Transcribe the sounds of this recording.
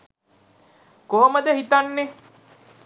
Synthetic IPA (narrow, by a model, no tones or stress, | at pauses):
koɦoməd̪əɦit̪anːe